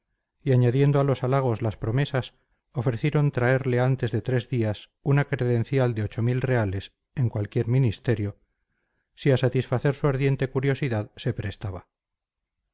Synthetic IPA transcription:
iaɲaðje̞nd̪oalo̞salaɣ̞o̞zlaspɾo̞me̞sas | o̞fɾe̞θje̞ɾo̞nt̪ɾae̞ɾle̞ant̪e̞zðe̞t̪ɾe̞zðias | unakɾe̞ðẽ̞n̟θjald̪eo̞t͡ʃo̞milre̞ale̞s | e̞ŋkwalkje̞ɾminist̪e̞ɾjo̞ | siasat̪isfaθe̞ɾsuaɾðje̞nt̪e̞kuɾjo̞siðaðse̞pɾe̞st̪aβa

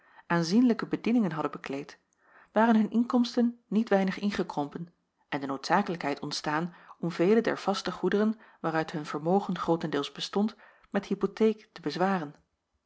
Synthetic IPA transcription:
ʔaːnzinləkəbədinɪŋənɦɑdəbəklejt | ʋaːrənɦɵnʔɪŋkɔmstənːitʋɛjnəχɪnχəkrɔmpən | ʔɛndənowtsaːkələkɦɛjtɔntstaːnɔmvejlədɛ̰ɹv̥ɑstəχudərənʋaːrœɥtɦɵnv̥əɹmowχənχrowtəndɪːlˠzbəstɔnt | mɛtɦipotejktəbəzʋaːrən

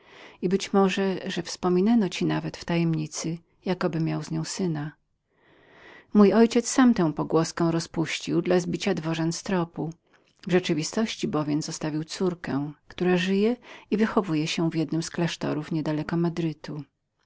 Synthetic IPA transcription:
ibɘt͡ɕmɔʐɛʐɛfspɔmʲinanɔt͡ɕinavɛt̪ft̪ajɛmɲit̪sɘ | jakɔbɘmʲjawzɲɔ̃w̃sɘna | mujɔjt͡ɕɛt̪sːamt̪ɛ̃w̃pɔɡwɔskɔ̃w̃ɾɔspuɕt͡ɕiwd̪lazbʲit͡ɕad̪vɔʐɛnst̪ɾɔpu | vʐɛt͡ʂɘvʲist̪ɔɕt͡ɕibɔvʲjɛmzɔst̪avʲiwt̪suɾkɛ̃kt̪uɾaʐɘjɛivɘxɔvujɛɕɛvjɛd̪nɘmsklaʂt̪ɔ̰ɾufɲɛd̪alɛkɔmad̪ɾɘt̪u

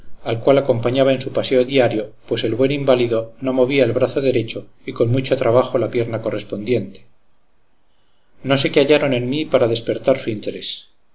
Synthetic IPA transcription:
alkwalako̞mpaɲaβae̞nsupase̞oðiaɾjo̞pwe̞se̞lβwe̞nimbaliðo̞no̞mo̞β̞iaelβɾaθo̞ðe̞ɾe̞t͡ʃo̞ | iko̞nmut͡ʃo̞t̪ɾaβ̞axo̞lapje̞ɾnako̞re̞spo̞nd̪je̞nt̪e̥ | no̞se̞keaʝaɾo̞ne̞nmipaɾaðe̞spe̞ɾt̪aɾsuint̪e̞ɾe̞s

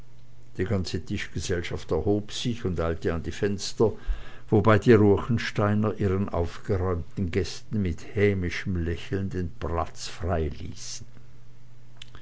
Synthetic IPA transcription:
d̥iːɡant͡sətʰɪʃɡ̥əzɛlʃaftɛɐhoːpz̥ɪçʊndʔaɪltəandiːfɛnstɐ | v̥obaɪdiːʁuːɐçn̩ʃtaɪnɐʔiːʁənʔa̰ʊfɡ̥əʁɔʏmtn̩ɡɛstn̩mɪthɛːmɪʃəm̩lɛçl̩ndeːnpl̥a̰t͡sfʁ̥aɪlḭːsn̩

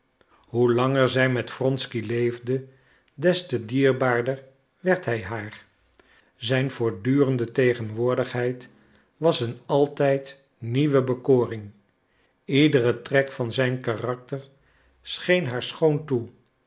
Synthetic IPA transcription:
ɦulɑŋəɹzɛjmɛtfrɔnskilejvdə | dɛstədiːɹbaːɹdəɹ | ʋɛɹtɦɛjɦaːɹ | zɛjnvʊːɹdyːrəndətejχənʋʊːɹdəχɦɛjt | ʋɑsənɑlˠtɛjt | niʋəbəkoːrɪŋ | idərətrɛkfɑnzɛjnkarɑk̚təɹ | sχejnɦaːɹsχowntu

